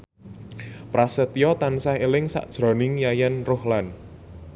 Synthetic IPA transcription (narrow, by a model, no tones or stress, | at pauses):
pɾasət̪ijɔt̪ansahelɪŋsa̰ʔd̥ʒ̥ɾɔ̤nɪŋjajɛnrohlan